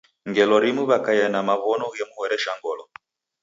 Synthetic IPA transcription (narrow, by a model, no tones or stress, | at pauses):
ŋɡɛlɔɾimuβakajanamaβɔnɔɣɛmuhɔɾɛʃaŋɡɔlɔ